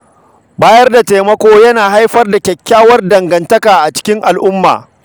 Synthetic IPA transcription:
baː˦jɐ˦rda˨teː˨mɐ˦kʷoː˦jɐ˦naː˨ɦa˦jɸɐ˦rda˨kʲɛ˨kʲːaː˦wɐ˦rdɐ˨ŋɡɐ˨ntɐ˦kaː˨ʔa˨t͡ʃɪ̥˦kʲɪ˦ŋʔa˨lʔʊ˦mːa̰ː˨

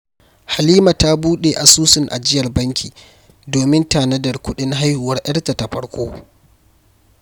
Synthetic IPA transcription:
ha˨liː˦ma˨ta˦buː˦ɗe˨ʔa˨suː˦sɪ˨ŋʔa̰˨d͡ʒɪ˦jɐ˨rbɐ˦ŋkʲḭː˨ | doː˨mɪ˦ntaː˨nɐ˦dɐ˨rkʷʊ˦ɗɪ˦ŋɦa˦jhʊ˨wɐ˦rʔɐ˦ɽta˨ta˨ɸɐ˦ɽkʷoː˦

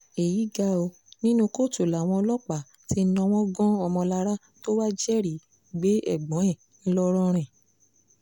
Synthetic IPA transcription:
e˨ji˨˦ɡa˧o˧ | nĩ˦nũ˦ko˦˨tu˨la˨w̃ɔ̃˧lɔ˦k͡pa˨ | ti˦nɔ̃˧w̃ɔ̃˦ɡɔ̃˦ɔ˧mɔ̃˧la˧ɾa˦ | to˦wa˦d͡ʒɛ˦˨ɾi˨˦ | ɡ͡be˨˦ɛ̰˦˨ɡ͡bɔ̃˨˦ɛ˦˨ | n̩˦lɔ˦ɾɔ˦ɾ̃ɛ̃˨

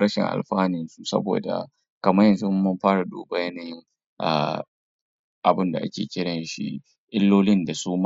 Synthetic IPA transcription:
ɾɐ˦ʃɪ̰˨ŋʔa̰˨lɸaː˦nɪ˨nsu˦sɐ̰˦bo̰ː˨da̰˨ | kɐ˨mɐ˦jɐ˨nzʊ˦m˦mʊ˦mɸaː˦ɽa˨duː˦ba˨jɐ˦naː˨jɪ˦ŋ | ʔa̰˨ | ʔa˨bɪ˦nda˨ʔa̰˦kʲeː˨kʲɪ˦ɽɐ˨nʃḭ˦ | ʔɪ˦lːoː˦lɪ˦nda˨suː˦m˦

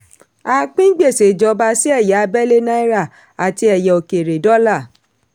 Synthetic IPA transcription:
a˨˧k͡pĩ˦ɡ͡be˦˨se˨d͡ʒɔ˨˦ba˧si˦ɛ˦˨ja˨a˧bɛ˦le˦nã˦i˦ɾa˦˨ | a˨ti˧ɛ˨jɛ˨o˨ke˨ɾe˨dɔ˦la˦˨

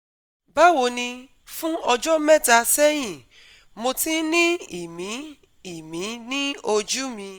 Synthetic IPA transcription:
ba˦wo˨˧nĩ˧ | fũ˦ɔ˧d͡ʒɔ˦mɛ˦˨ta˧sɛ˦j̃ĩ˨ | mo˧tĩ˦nĩ˦i˦˨mĩ˨˦ | i˨mĩ˨˦nĩ˦o˧d͡ʒu˦mĩ˧

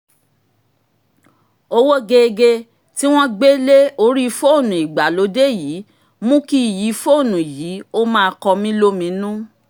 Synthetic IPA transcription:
o˧wo˦ɡe˧ɡe˧ | ti˦w̃ɔ̃˦ɡ͡be˦le˦o˧˦ɾi˦˧fo˦o˦˨nũ˨i˨ɡ͡ba˨lo˨˦de˦˨ji˨˦ | mũ˦ki˦˨ji˨˦fo˦o˦˨nũ˨ji˨˦o˦mãː˦˧kɔ˧mĩ˦lo˦mĩ˨˧˦nũ˦

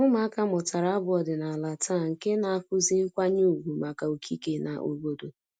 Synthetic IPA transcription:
ŋʊ˦ma˨˦a˦ka˦mʊ˨ta˨ɾa˨a˦bʊ˦ɔ˨dɪ˨na˨la˨tʰaː˦˨ŋ̩˨ke˦na˨a˨fʊ˦zi˦ŋ̩˦kʷa˦ɲu˦˨ɦu˨ma˨ka˨o˨kʰi˦ke˨na̰˨ʔo̰˨ɡ͡bo˦do˨

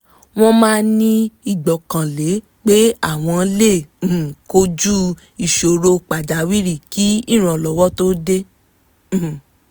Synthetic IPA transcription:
w̃ɔ̃˦mãː˦nĩ˦i˦˨ɡ͡bɔ˨kã˨le˨˦ | k͡pe˦a˦˨w̃ɔ̃˧˦lẽ˦˨ko˦d͡ʒu˦ | i˨ʃo˨˧ɾo˧k͡pa˨d͡ʒa˨˦wi˦ɾi˦˨ki˨˦i˦˨ɾ̃ã˨lɔ˨wɔ˦to˦de˦˨

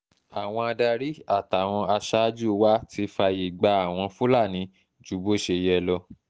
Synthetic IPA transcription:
a˨w̃ɔ̃˧a˧da˧ɾi˦a˦˨ta˨w̃ɔ̃˧a˧ʃa˦d͡ʒu˦˧wa˦ti˧fa˧ji˨ɡ͡ba˧˦a˦˨w̃ɔ̃˧fu˦la˦˨nĩ˨˧˦ | d͡ʒu˨˦bo˦˨ʃe˧jɛ˧lɔ˧

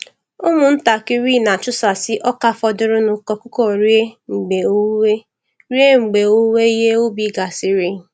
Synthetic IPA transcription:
ʊ˦mʊ˨n̩˦ta˨kɪ˦ɾi˦˨na˨t͡ʃʊ˦sa˨sɪ˦ʔɔ˦ka˦fɔ˦dʊ˦ɾʊ˦nʊ˨kɔ˨kʊ˦kɔ˨ɾi˦e˦ŋ͡m̩˨ɡ͡be˨o˦we˦ | ɾi˦e˦ŋ͡m̩˨ɡ͡be˨o˦we˦i˦ɦe˦o˦bi˨˦˨ɡa˨sɪ˦ɾi˦˨

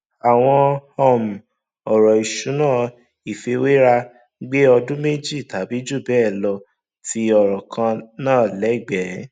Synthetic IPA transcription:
a˨w̃ɔ̃˧hɔ˦˨m̩˨ | ɔ˨ɾɔ˨i˨ʃu˨˦nãː˦˨ | i˨fe˧we˦ɾa˧ | ɡ͡be˦ɔ˧dũ˦me˦d͡ʒi˦˨ta˨˦bi˨˦d͡ʒu˦˨bɛː˦˨lɔ˧ | tʰi˧ɔ˨ɾɔ˨kʰã˧nãː˦˨lɛ˨˦˨ɡ͡bɛ˨˦

